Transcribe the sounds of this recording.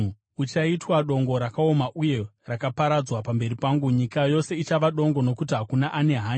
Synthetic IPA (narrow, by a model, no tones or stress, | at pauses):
ut͡ʃaitwaɗo̞ŋɡo̞ɾakao̞maʔuje̞ | rakapaɾad͡zwapambe̞ɾipaŋɡuɲikajo̞se̞it͡ʃaʋaɗo̞ŋɡo̞no̞kutiɦakunaʔane̞ɦaːɲ